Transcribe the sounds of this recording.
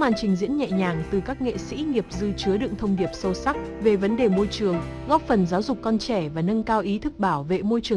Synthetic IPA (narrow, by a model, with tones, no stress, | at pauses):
maː˨˩nt͡ɕï˨˩ŋ̟zḭ˧˥ənɲɛ̰˧˨ɲaː˨˩ŋt̪ɨ˨˩kaː˦˥k̚ŋḛ˧˨sḭ˧˥ŋi˨˩əp̚zɨ˧t͡ɕɨ˨˦əɗɨ̰˧˨əŋt̪ʰə˧wŋ͡mɗi˨˩əp̚sə˧wsa˦˥k̚ve˨˩və˨˦nɗe˨˩mo˧jt͡ɕɨ˨˩əŋ | ɣɔ˦˥p̚fə˨˩nzaː˨˦wzʊ˨˩k͡p̚kːɔ˧nt͡ɕɛ˧˩vaː˨˩nə˧nkaː˧wʔi˨˦t̪ʰɨ˦˥k̚ɓaː˧˩wvḛ˧˨mo˧jt͡ɕɨ˨˩ə